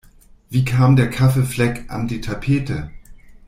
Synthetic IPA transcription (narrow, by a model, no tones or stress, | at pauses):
v̥iːkʰaːmdeːɐkʰafeflɛkʔa̰ndiːtʰapʰeːtə